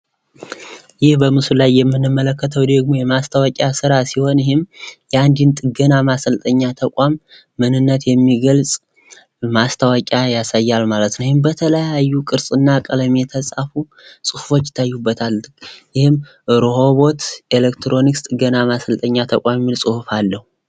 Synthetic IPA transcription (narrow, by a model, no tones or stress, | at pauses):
jɪhbəmɨsulajːɛmːɨnːɨmːələkːət̪ʰəwd̪əɡmo̞jɛmast̪ʰəwakʼasɨɾasiho̞njɪhɪmjɛand̪int̪ʼɨɡənamasəlt̪ʼəɲːat̪ʰəkʷʼamː | ɨnɨnːət̪jɛmːiɡəlsʼ | mast̪ʰəwakʲʼajasajːalmalət̪nəwihɪmbət̪ʰələjajːukʼɨɾsʼɨnːakʼələmet̪ʰəsʼafu | sʼɨhufo̞t͡ʃːɪ̥t̪ʰːajːubːət̪ʰaljɪhɪm | ɾoho̞βo̞t̪elekt̪ʰɾo̞nikst̪ʼɨɡːənamasəlt̪ʼəɲːat̪ʰəkʷʼamjɛmːilsʼɨhufalːəhu